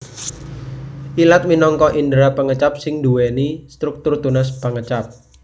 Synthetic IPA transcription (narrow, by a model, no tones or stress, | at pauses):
ʔilat̪̚minɔŋkɔʔindɾapəŋət͡ʃap̚sɪŋd̪uwɛnist̪ɾuk̚t̪ʊrt̪unas̬pəŋət͡ʃap̚